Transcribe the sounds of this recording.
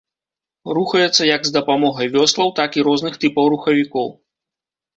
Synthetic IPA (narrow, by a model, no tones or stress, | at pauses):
ruxɐjɛt̪sːɐjɐɡzd̪ɐpamɔɣɐjvʲɔslˠɐwt̪akiɾɔznɨxt̪ɨpɐwɾuxɐvʲikɔw